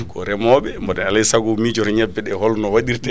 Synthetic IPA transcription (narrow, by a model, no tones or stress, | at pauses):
kɔɾɛmɔɓɛmbɔɗɛnalɛjsaɡumid͡ʒɔɾɛɲɛbːɛɗɛhɔlnɔwaɗiɾtɛ